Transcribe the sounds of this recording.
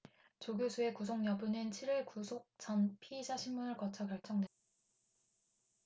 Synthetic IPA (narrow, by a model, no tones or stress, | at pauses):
t͡ɕoɡjosʰue̞kusʰoŋɲʌbunɯnt͡ɕʰiɾiɭkusʰok̚t͡ɕ͈ʌnpʰiːd͡ʑaɕʰimmːunɯɭkʌt͡ɕʰʌkjʌɭt͡ɕ͈ʌŋdwe